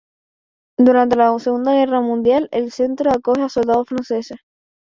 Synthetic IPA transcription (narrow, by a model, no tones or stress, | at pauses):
d̪uɾant̪e̞laseɣund̪aɣ̞e̞ramũnd̪jalelse̞nt̪ɾoako̞heaso̞ld̪aðofɾanse̞se